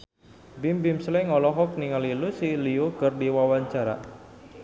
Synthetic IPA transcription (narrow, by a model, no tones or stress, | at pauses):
bimbimslɛŋɔlɔɦɔk̚niŋalilusiliukərdiwawaɲt͡ʃaɾa̰